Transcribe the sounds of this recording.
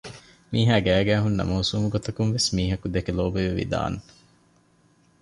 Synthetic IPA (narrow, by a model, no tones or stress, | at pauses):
miːɦæːɡæːɡæːɦunːɐ̰mɐusuːmuɡot̪ɐkunʋesmiːɦɐkud̪ekeloːbeʋeʋḭd̪a̰ːn